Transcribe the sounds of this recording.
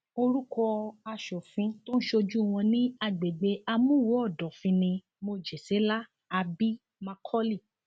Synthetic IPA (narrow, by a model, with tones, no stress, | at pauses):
o˧ɾu˦kɔ˧a˧ʃɔ˨fĩ˧to˦n̩˦ʃo˧d͡ʒu˦˨w̃ɔ̃˧nĩ˦a˧˨ɡ͡be˨ɡ͡be˨˦a˧mũ˦˨wo˨˦ɔ˦˨dɔ˨fĩ˧nĩ˧ | mo˧d͡ʒe˨se˨˦la˦ | a˧bi˦ | mã˧kʰɔ˦li˦˨